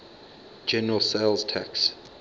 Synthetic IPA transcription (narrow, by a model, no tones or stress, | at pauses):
d͡ʒɛnəɹəlˠseɪlˠz̥tʰɛks